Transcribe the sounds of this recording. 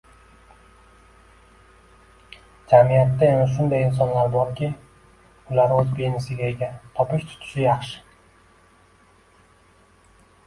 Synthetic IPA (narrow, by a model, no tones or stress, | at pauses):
d͡ʒamijɑt̪ːaemɪʃ̬und̪ɑjins̬onlˠɑɾboɾkʲi | ulˠɑɾøzbejnisiɡʲeeɡʲɛt̪ʰopiʃt̪ʰʊ̥t̪ʰy̥ʃyjɑχʃɨ̥